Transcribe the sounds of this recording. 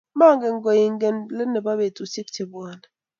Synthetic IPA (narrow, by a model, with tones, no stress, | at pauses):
ma˦˨ŋ˦ɡe˨ŋ̩˦ɡɔ˨ji˨ŋ˦ɡe˦nle˦ne˨ba˦be˨tu˨si˦k̚ti˨bwɔ˦˨nɛ˨